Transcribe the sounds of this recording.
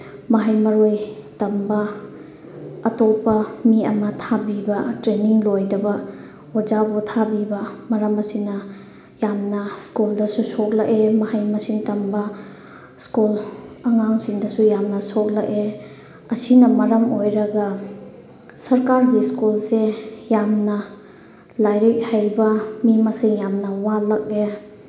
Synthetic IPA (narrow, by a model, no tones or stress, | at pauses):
mɐɦajmɐɾojtɐmbɐ | topːɐmiɐ̰mɐtʰabibɐtɾeniŋlojdɐbɐ | od͡ʒabotʰabibɐmɐɾɐmɐsinɐ | jamnɐskuldɐsusok̚lɐʔemɐhajmɐsiŋtɐmbɐ | skulɐŋaŋsiŋdɐsujamnɐsok̚lake | ɐsinɐmɐɾɐmojɾɐɡɐ | sɐɾkaɾɡiskulsejamnɐ | lajɾik̚hajbɐmimɐsiŋjamnɐwalɐk̚e